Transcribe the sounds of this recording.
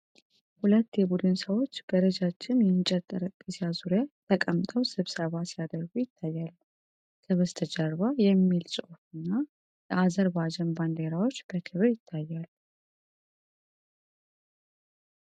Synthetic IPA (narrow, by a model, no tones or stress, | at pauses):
hulət̪ːjɛbud̪ɨnsəwo̞t͡ʃːb̥əɾəd͡ʒat͡ʃːɪnjɛmɨt͡ʃʼɛt̪ʼːəɾəkʼːɨsjazuɾjat̪ʰəkʼəmt̪ʼəwsɨβsəβasijad̪əɾɡujɪt̪ʰːajːal | kʰəβəst̪ʰəd͡ʒaɾβajɛmːilsʼo̞fɨnːa | jɛʔazəɾbad͡ʒɛnband̪e̞ɾawot͡ʃːb̥əkʰɨβɨɾjɪt̪ʰːajːal